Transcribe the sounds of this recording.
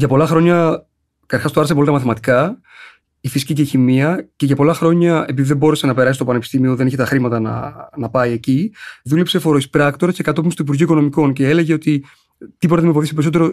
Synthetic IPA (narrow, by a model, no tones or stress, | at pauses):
ʝɐpo̞lɐxɾo̞ɲɐ | kɐɐɾxɐst̪oɐɾɐsepoit̪ɐmɐθimɐt̪i̥kɐ | ifisi̥ciceçimiɐce̞ʝɐpo̞lɐxɾo̞ɲɐe̞piðiðebo̞ɾese̞nɐpeɾɐsist̪o̞pɐne̞pi̥st̪imio̞ðeeçet̪ɐxɾimɐt̪ɐnɐ̰nɐpɐie̞ciðule̞pse̞fo̞ɾoispɾɐkt̪o̞ɾɐsce̞kɐt̪o̞pimst̪uip̬uɾʝiuiko̞nomiko̞nceele̞ʝe̞o̞t̪i | t̪ipot̪ɐðimfoθisipe̞ɾisot̪e̞ɾo